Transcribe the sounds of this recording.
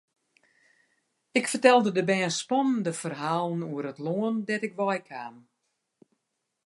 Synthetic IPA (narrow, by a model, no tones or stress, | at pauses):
ɪkfərtɛlˠdədəbɛːnspɔnndəfərɦaːlˠənuəɾətloəndɛtɪkʋɔjkʰaːn